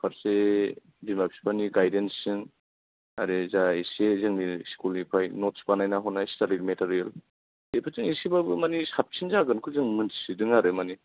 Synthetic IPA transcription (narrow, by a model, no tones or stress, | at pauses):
pʰaɾse | bimap̚si̥paniɡajdensːɯŋ | aɾezaisezɯŋniskulnipʰajnɔt̚si̥panajnaɦɔnajstalilmetaɾijel | epʰatɯŋisibabɯmanisap̚t͡ʃʰinzaɡɯnkʰuzɯŋmɯnsidɯŋaɾɯmani